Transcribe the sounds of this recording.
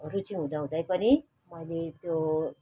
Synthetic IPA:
ʌɾut͡sʌĩɦũd̪ʌɦũd̪ʌjpʌni | mʌjlet̪jo

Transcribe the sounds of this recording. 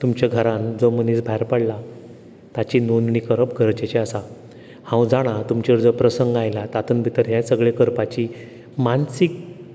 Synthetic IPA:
t̪umt͡ɕaɡʱəɾãnd͡zoməniːsbʱajɾpəɽla | t̪at͡ɕinonɳikəɾəpɡʱəɾt͡ɕet͡ɕeasa | hãwd͡zaɽ̃at̪umt͡ɕeɾd͡zəpɾəsəŋɡajlat̪at̪ənbʱit̪əɾɦjãsəɡɭekəɾpat͡ɕi | mansik̚

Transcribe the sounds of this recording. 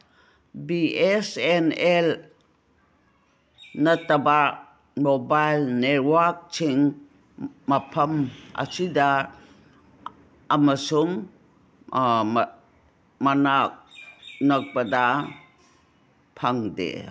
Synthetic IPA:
biɛsɛnɛl | nataba | mobajlnet̚wak̚t͡ʃʰiŋ | mapʰɐma̰sida | məsuŋ | manak̚nak̚bada | pʰaŋdḛ

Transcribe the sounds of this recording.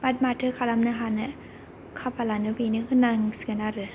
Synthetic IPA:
bat̪̚matʰɯkʰalamnɯɦanɛ | kʰapalanɯpinikʰɯnaŋskanaɾɯ

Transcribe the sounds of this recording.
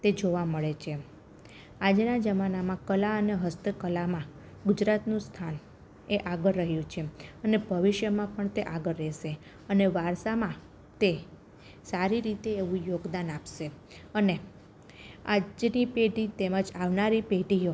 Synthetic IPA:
t̪ed͡ʒoʋaməɭet͡ʃʰe | ad͡ʒnad͡ʒəmanamãkəlaəneɦəst̪ʰəkəlamã | ɡʊd͡ʒɾat̪nũst̪ʰan | eʔaɡəɾːəɦjũt͡ʃʰeənebʱəʋiʃjəmãpəɳt̪eʔaɡəɾːɛʃe | əneʋaɾsamã | t̪e | saɾiɾit̪eːʋũjoɡd̪anapʃe | əne | ad͡ʒnipeʈit̪eməd͡ʒaʋnaɾipeʈijo

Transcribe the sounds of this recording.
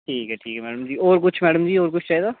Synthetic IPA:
ʈʰiːkɛːʈʰiːkɛmɛːɽəmd͡ʒiːɔːɾkʊt͡ʃʰmɛːɖəmd͡ʒiːoːɾkʊt͡ʃʰt͡ʃaːiːd̪aː

